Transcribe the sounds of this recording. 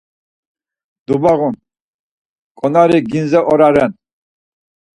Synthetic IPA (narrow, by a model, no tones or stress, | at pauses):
d̪ubaɣun | kʼɔnaɾiɡinzɛʔɔɾaɾɛn